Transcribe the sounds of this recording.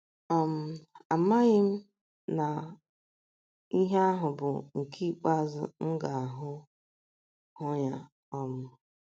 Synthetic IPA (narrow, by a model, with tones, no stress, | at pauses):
ɔ˦m̩˨a˨ma˦ɣɪ˦m̩˦ | na˨ | i˦ɦe˦a˦ɦʊ˨bʊ˨ŋ̩˨ki˦k͡pa˦zʊ̰˨ŋ̩˦ɡa˨a˨ɦʊ˦ | hʊ˦ɲa˨ | ɔ˦mʊ˨